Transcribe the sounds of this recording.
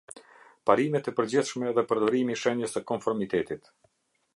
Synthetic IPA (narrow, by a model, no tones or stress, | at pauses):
paɾimɛt̪ɛpəɾd͡ʑiθʃmɛːðɛpəɾd̪ɔɾimiʃɛɲəsəkɔnfɔɾmit̪ɛt̪it̪